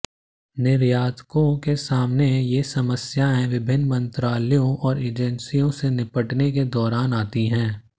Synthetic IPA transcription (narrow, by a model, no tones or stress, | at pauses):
nɪɾjaːd̪kõkesaːmnejesɐməsjaɦɛ̃ʋɪbʱɪnːmɐ̃nt̪ɾaːlijõʔɔːɾeːd͡ʒɛnsijõsenɪpəʈneked̪ɔːɾaːnaːt̪iɦɛ̃ː